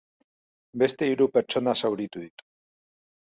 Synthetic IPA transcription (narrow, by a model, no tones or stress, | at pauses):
be̞st̪e̞iɾupe̞ɾt͡ʃo̞nasawɾit̪uðit̪u̥